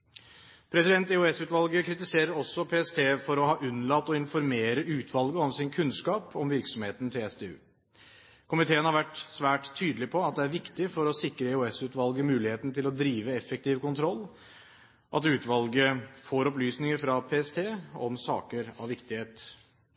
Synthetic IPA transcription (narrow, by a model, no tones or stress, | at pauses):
pʰɾɛsɪd̪ɛnt̪ɛʉɛsʉːt̪ʋɑlɡəkʰɾɪt̪ɪseːɾəɾɔsːɔpʰeːɛst̪ʰeːfɔɾɔhɑːʔʉnːlɑpt̪ɔɪnfɔɾmeːɾəʔʉːt̪ʰʋɑlɡəɔmsɪnkʰʉnskɑːpʰɔmʋɪɾksɔmheːt̪n̩t̪ʰɪlɛsd̪eːʉ̰ː | kʰʊmɪt̪ʰeːənhɑɾʋæʈsʋæːʈt̪ʰːyːd̪əlɪpʰɔɑt̪̚d̪ɛæɾʋɪkt̪ɪfɔɾɔsɪkɾəɪʉɛsʉːt̪ʋɑlɡəmʉːlɪheːt̪nt̪ɪlɔd̪ɾiːʋəɛfːɛk̚t̪iːʋkʊnt̪ʰɾɔlː | ʔɑt̪ʉːt̪ʋɑlɡəfoːɾɔplyːsnɪŋəɾfɾɑpʰeːɛst̪ʰeːɔmsɑ̰ːkəɾɑ̰ʋɪkt̪ɪheːt̪